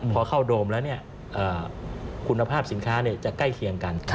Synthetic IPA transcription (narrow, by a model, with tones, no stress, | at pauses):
pʰɔ˧kʰa˥˩wdoː˧mlɛː˦˥wni˥˩ɐ | ʔɤː˨˩kʰu˧nːa˧pʰaː˥˩p̚si˨˩˦nkʰaː˦˥ni˥˩ɐt͡ɕa˨˩kla˥˩jkʰi˧əŋka˧n